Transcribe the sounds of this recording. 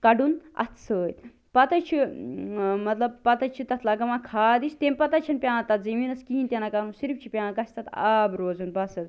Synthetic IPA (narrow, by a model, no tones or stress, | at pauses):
kɐɖunɐ̰t̪ʰsəːt̪ | pɐt̪ɐt͡ʃʰi | mɐt̪lɐb̚pɐt̪ɐt͡ʃʰit̪ɐt̪ʰlaːɡɐmãːkʰaːd̪ist̪emʲpɐt̪ɐt͡ʃʰiɐnpʲãːt̪ɐt̪zɐmiːnɐskiint̪ʲenakaũnsiɾipt͡ʃʰipʲãːɡɐsʲt̪ɐt̪a̰ːbɾoːzunbɐsɐt̪